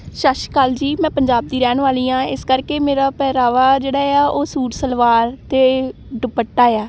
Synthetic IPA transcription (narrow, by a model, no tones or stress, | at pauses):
ʃaʃkaːld͡ʒiːmɛ̃ːpəɲd͡ʒaːb̚d̪iːɾɛːɳʋaːliːãːɪskəɾkeːmeːɾaːpɛːɾaːʋaːd͡ʒeːɽaːɪaːʔoːsuːʈsəlʋaːɾt̪eː | ɖəbəʈːaːejaː